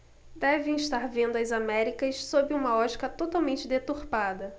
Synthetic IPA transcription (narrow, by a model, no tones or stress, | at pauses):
d̪ɛvẽj̃iʃt̪aɾvẽnd̪ʊɐzamɛɾikɐssobɪũmɐɔt͡ʃi̥kɐt̪ot̪awmẽnt͡ʃɪd̪et̪uɾpad̪ɐ